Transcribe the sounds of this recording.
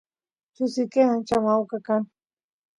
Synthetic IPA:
t͡ʃʊsɪkeant͡ʃamawkakan

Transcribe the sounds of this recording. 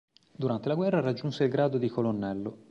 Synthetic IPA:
d̪uɾant̪elaɡwɛrːarad͡ʒːunseilɡɾaːd̪od̪ikolonːɛlːo

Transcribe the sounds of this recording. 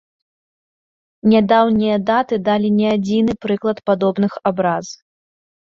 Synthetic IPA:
nʲad̪awnʲijɐd̪at̪ɨd̪alʲinʲɛad͡zʲinɨpɾɨklˠɐt̪pad̪ɔbnɨxabɾaz

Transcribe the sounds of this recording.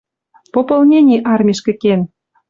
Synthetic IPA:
popolˠnʲenʲiʔɑrmʲiʃkĕken

